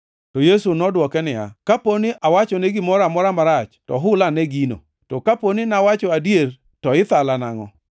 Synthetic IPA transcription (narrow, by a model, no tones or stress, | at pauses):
tɔjesunɔdwɔkɛnɪja̰kaponɪʔawat͡ʃɔneɡɪmɔɾamɔɾamaɾat͡ʃtɔ̰ɦʊlanɛɡino̰ | tɔkaponɪnawat͡ʃɔadjer | tɔɪt̪alanaŋɔ̰